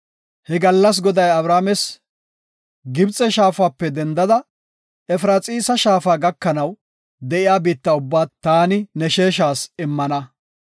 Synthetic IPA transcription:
hɛɡɐlːɐs̬ɡɔd̪ɐjɐbɾaːmɛs | ɡɪbt͡sʼɛʃaːfaːpːɛd̪ɛnd̪ɐd̪ɐ | ɛfɾat͡sʼiːsɐʃaːfaːɡɐkːɐnɐw | d̪ɛʔɪjaːbiːt̪ːɐʊbːaːt̪aːnɪnɛʃeːʃaːsɪmːɐnɐ

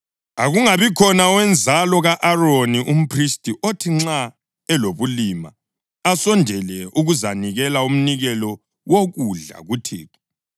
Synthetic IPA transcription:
aɣuŋaβikʰɔnawɛnd͡zʱalɔɣaʔaroniʔum̩pʰristʼiʔotʰiŋ͡ǁa | ɛloβulima | asɔndʱɛlɛuɣuzaniɣɛlaum̩niɣɛlɔ | woɣuɮa̰ɣutʰḭːtʰɔ̥

